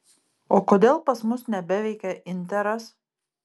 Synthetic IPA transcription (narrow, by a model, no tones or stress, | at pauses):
oːkoːd̪ʲeːlˠpɐsmʊsnʲɛbʲæʋʲɛɪkʲɛʔɪnʲt̪ʲɛɾɐs